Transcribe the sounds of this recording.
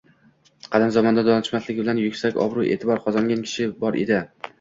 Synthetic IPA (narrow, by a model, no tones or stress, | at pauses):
qʰɑlɪmzɒmɒnd̪ad̪ɒnɪʃmaslɪkʲbɪlanjʊkʲsakʲɒ̰bɾuʔe̞̰ːt̪ʰɪbɒɾqʰɒzɒŋɡʲankʲʰɪ̥ʃɪbɒɾʔḛd̪ɪ